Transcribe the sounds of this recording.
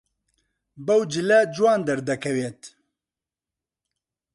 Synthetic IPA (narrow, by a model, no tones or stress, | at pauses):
bɐwd͡ʒɨlɛd͡ʒwɑːnd̪ɐɾd̪ɐkʰɛweːt̪